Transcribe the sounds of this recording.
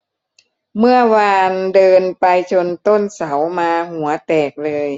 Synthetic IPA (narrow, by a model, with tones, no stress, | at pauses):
mɯ˥˩ɐwaː˧ndɤː˧npa˧jt͡ɕʰo˧nt̪o˥˩nsa˩˦wmaː˧hu˩˦ɐt̪ɛː˨˩k̚lɤː˧j